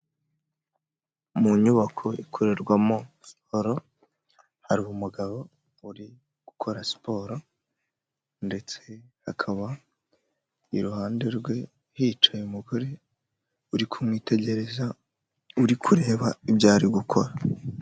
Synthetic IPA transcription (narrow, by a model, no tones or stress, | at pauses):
muɲuβakʰo̞ʔikʰo̞ɾe̞ɾɡwamo̞ | si̥poɾo̞ | haɾuumuɡaβo̞ | uɾi | ɡ̥ukʰo̞ɾasi̥pʰo̞ːɾo̞ | nde̞t͡se̞hakʰaβa | iɾuhaːnde̞ɾɡwe̞ | hiːt͡ʃajumuɡoɾe̞ | uɾikʰumŋiːte̞ɟe̞ɾe̞za | uɾikʰuɾe̞ːβaibɟaːɾiɡukʰo̞ɾa